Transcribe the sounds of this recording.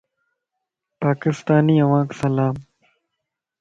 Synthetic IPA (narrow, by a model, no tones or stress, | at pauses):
paːkɪst̪aːniːɐʋãːksɐlaːm